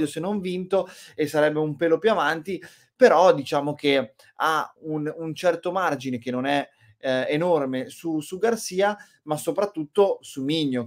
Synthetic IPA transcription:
osenːoɱvint̪oesːaɾɛbːeumpeːlopjuavant̪i | peɾɔd̪it͡ʃaːmok̟e | aununt͡ʃɛrt̪omard͡ʒinek̟enːonɛ | enormesusuɡarsiːa | masopɾat̪ːut̪ːosumiɲːo

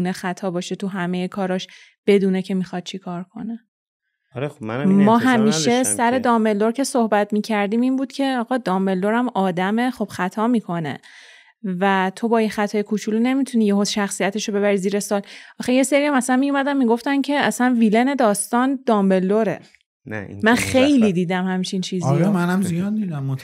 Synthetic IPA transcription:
unexæt̪ʰɒːbɒːʃet̪ʰuɦæmejekʰɒːɾɒʃ | b̥e̞d̪uːnecʰe̞mixɒd̪̥̚t͡ʃʰikʰɒːɾkʰo̞̰ne | mɒːɦæmiːʃe̞sæɾe̞d̪ɒːmbe̞lːo̞ɾcʰe̞sohbæt̪ʰmiːcʰæɾd̪iːminbuːd̪̥cʰe̞ɒːɣɒd̪ɒːmbe̞lːoɾæmɒːd̪æme̞χo̞b̥xæt̪ʰɒːmiːkʰo̞ne̞̰ | væt̪ʰo̞bɒːixæt̪ʰɒːjekʰut͡ʃʰulune̞mit̪ʰuniːjeɦod̪̥ʃæxsijæt̪ʰe̞ʃobe̞βæɾiziːɾe̞sɒːlʔɒxeje̞se̞ɾiæmæsænmijumæd̪æmmːiːɡo̞ft̪æncʰe̞æsænvile̞ne̞d̪ɒːst̪ɒnd̪ɒːmbe̞lːoɾe̞̰ | mænxe̞jliːd̪iːd̪æmhæmt͡ʃʰint͡ʃʰiːziɾɛmænæmzijɒd̪̚d̪iːd̪æmːot̪

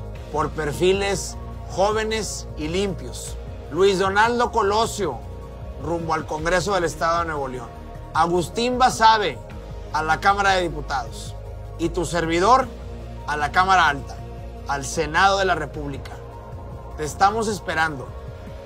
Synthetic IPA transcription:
po̞ɾpe̞ɾfile̞s | xo̞β̞e̞ne̞s | ilimpjo̞s | lwizðo̞nald̪o̞ko̞lo̞sjo̞ | rumboalko̞ŋɡɾe̞s̬o̞ð̞e̞le̞st̪aðoeneβo̞ljo̞n | aɣust̪imbasaβ̞e̞ | alakamaɾaðe̞ðiput̪að̞o̞s | it̪use̞ɾβ̞iðo̞ɾ | alakamaɾaalt̪ḁː | lse̞nað̞o̞ð̞e̞lare̞puβlika | t̪e̞ːst̪amo̞s̬e̞spe̞ɾand̪o̞

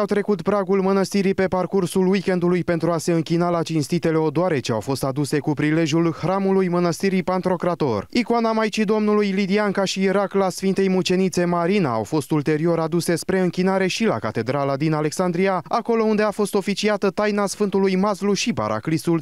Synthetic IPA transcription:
awt̪ɾe̞kut̪pɾaɡulmənəst̪iɾipe̞parkursulwikʲe̞nd̪ulujpent̪ɾuase̞ɨŋkʲinalat͡ʃinst̪it̪e̞le̞od̪oaɾe̞t͡ʃe̞a̰wfo̞st̪ad̪use̞kupɾile̞ʒjulhɾamulujmənəst̪iɾipant̪ɾo̞kɾat̪o̞̰rikoanamajt͡ʃid̪o̞mnulujlid̪iaŋkaʃiːɾaklasfint̪e̞jmut͡ʃe̞nit̪se̞maɾinaa̰wfo̞st̪ult̪e̞ɾio̞ɾad̪use̞spɾe̞ɨŋkʲin̪aɾe̞ʃila̰kat̪e̞d̪ɾalad̪inale̞ksand̪ɾijaako̞lo̞und̪e̞afo̞st̪o̞fit͡ʃiat̪ət̪ajnasfɨnt̪ulujmazluʃipa̰ɾʔa̰klisul

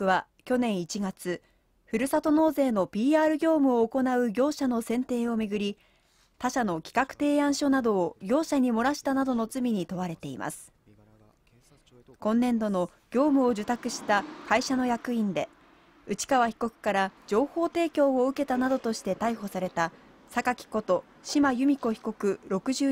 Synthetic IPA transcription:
βa | kʲo̞nẽ̞ɰ̃it͡ɕiɡat͡sɨ | ɸɯ̟ɾɯ̟sat̪o̞no̞ːze̞ːno̞pʲiːaːɾɯ̟ɡʲo̞ːmɯ̟oːko̞naɯ̟ɡʲo̞ːɕano̞sẽ̞nt̪e̞ːo̞mʲeɡɯ̟ɾʲi | t̪aɕano̞kʲi̥kakɯ̟̥t̪e̞ːãɰ̃ɕo̞nad̪o̞ːɡʲo̞ːɕaɲ̟imo̞ɾaɕi̥t̪anad̪o̞no̞t͡sɨmʲiɲ̟it̪o̞βaɾe̞t̪e̞ḭma̰sɨ̥ | kõ̞nːẽ̞nd̪o̞no̞ | ɡʲo̞ːmɯ̟o̞d͡ʑɨt̪akɯ̟ɕi̥t̪akaiɕano̞jakɯ̟ĩnd̪e̞ | ɯ̟t͡ɕi̥kaβaçi̥ko̞kɯ̟̥kaɾad͡ʑo̞ːho̞ːt̪e̞ːkʲo̞ːoɯ̟ke̞t̪anad̪o̞t̪o̞ɕi̥t̪e̞t̪aiɦo̞saɾe̞t̪a | sakakʲi̥ko̞t̪o̞ | ɕimajɯ̟mʲiko̞çi̥ko̞kɯ̟ɾo̞kɯ̟ʑɨː

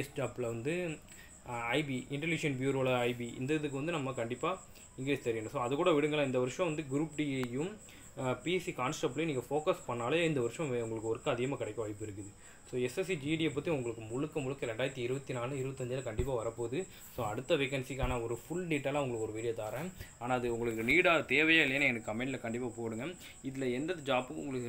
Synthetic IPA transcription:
sʈaːplɐʋɐnd̪ɯ | ɐɪbiɪɳʈɐlɪʂɐnbjuːɾoːlɐɐɪbiɪ̰nd̪ɐðɯkːɯʋɐnd̪ɯnɐmːɐkɐɳɖɪpːaː | ɪŋɡɪɾeːst̪ɐɾɪjɐnɯ̃soːɐðɯkːuːɽɐʋɪɽɯŋɡɐɭãːɪnd̪ɐʋɐɾɯʂɐ̃ʋɐnd̪ɯɡɪɾuːpɖiːejɯm | piːsikaːnsʈɐːpːljniːŋɡɐfoːkɐspɐɳːaːleɪnd̪ɐʋɐɾɯʂɐ̃ʊŋɡɐɭɯkːɯɔɾɯkːɐɐðɪɣɐmaːkɪɽɐɪkːɐʋɐɪpːɯɪɾɯkːɯðɯ | soːɛsɛs̬id͡ʒiɖiepːɐt̪ːiʊŋɡɐɭɯkːɯmʊɭɯkːɐmʊɻɯkːɐɾɛɳɖaːjɐɾt̪ːiɪɾɯʋɐt̪ːinaːlɯ̃ɪɾɯʋɐt̪ːɐɲd͡ʒɪlɐkɐɳɖɪpːaːʋɐɾɐpːoːðɯ | soːɐɽɯt̪ːɐʋɛkːɐnsikaːnaɔɾɯfʊɭɖiːʈːɐːlãːʋɐŋɡɐɭɯkːɯɔɾɯʋiːlɪjɐt̪aːɾɛ̃aːnaːɐðɯʊŋɡɐɭɯkːɯniːɽaːɐt̪eːʋɐjaːɪlːɐjnɛnɐkːɯɐmɛɳɖlɐkɐɳɖɪpːaːpoːɽɯŋɡɐ | ɪðɪlɐɛndɐðɯd͡ʒaːpɯkːɯʊ̰ŋɡɐɭɯkːɯ

